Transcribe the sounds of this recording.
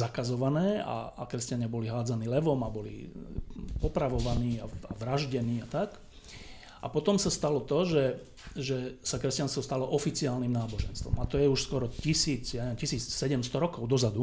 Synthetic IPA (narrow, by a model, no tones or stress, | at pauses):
zakazɔʋanɛːa̰akɾɛscaɲɪabɔliɦaːd͡zaniːlɛʋɔmabɔlḭ | pɔpɾaʋɔʋaniːaaʋɾaʒɟɛniːat̪ak | a̰pɔt̪ɔmsast̪alɔt̪ɔʒɛ | ʒɛsakɾɛscanst̪ʋɔst̪alɔʔɔfit͡siaːlnimnaːbɔʒɛ̰nst̪ʋɔ̰mat̪ɔjɛuʃskɔɾɔcisiːt͡sjaɲɛʋɛmcisiːt͡ssɛɟɛmst̪ɔɾɔkɔʊd̪ɔzad̪u